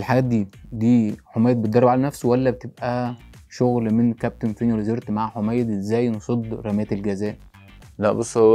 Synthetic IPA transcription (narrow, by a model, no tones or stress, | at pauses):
elħaɡæːt̪̚d̪iːd̪iːħomæjed̪̚bet̪d̪ɑrːˤɑbʕalænæfsowælːæbet̪eb̚ʔæ | ʃoɣlmenkæp̚t̪enfinælezeɾt̪maʕħomæjːed̪ʔezːæːjnsˤod̪ˤɾˤɑmæːt̪elɡæzæːʔ | læ̰ʔbosˤːho